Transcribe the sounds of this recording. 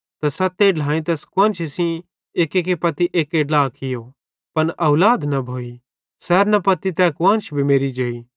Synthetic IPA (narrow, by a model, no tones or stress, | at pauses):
t̪ɐsɐt̪ːeɖl̤ãːĩt̪̬ɛːskwɐ̃nt͡ʃʰesĩ | eːkeːkepɐt̪iʔeːkeɖlaːkʰɪjo | pɐnɐʊlaːd̪nɐbʱoːi | sɛːɾnɐpɐt̪it̪ɛːkʋɐ̃nt͡ʃʰbʱimeːɾid͡ʒoːiː